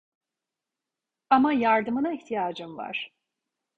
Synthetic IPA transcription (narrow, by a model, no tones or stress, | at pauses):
amajaɾd̪ɯmɯnaiçt̪ʰijaːd͡ʒɯmva̰ɾ̥